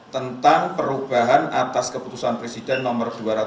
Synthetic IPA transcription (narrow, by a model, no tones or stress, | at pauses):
t̪ənt̪aŋpəɾub̥aɦanat̪askəput̪usanpɾesidɛnːɔmərduaɾa